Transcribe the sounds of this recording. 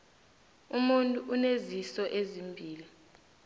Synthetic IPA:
umuntʼuʔːnezisɔʔezimbʱiːli

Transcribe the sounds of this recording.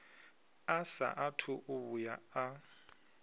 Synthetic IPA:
asa̰ʔatʰʊʔʊβʊjaa

